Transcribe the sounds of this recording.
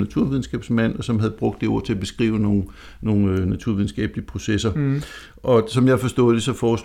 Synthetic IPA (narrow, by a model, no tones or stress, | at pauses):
næt͡sʰuɐ̰ʋiðˠn̩sɡ̥ɛ̰ːb̥smæn̰ɒ̽sɒ̽mɦæð̞̩ˠb̥ʁɔ̽ɡ̥d̥e̝o̝ɐ̰t͡sʰe̝æb̥e̝sɡ̥ʁḭːʊəno̝ː | no̝ːŋnæt͡sʰuɐ̰ʋiðˠn̩sɡ̥ɛ̰ːb̥liəpʰʁo̝sesɐ | ʔɒ̽sɒ̽mjɑ̈fɒ̽sd̥ɔ̰̽ːð̩ˠd̥e̝sɒ̽fɒːs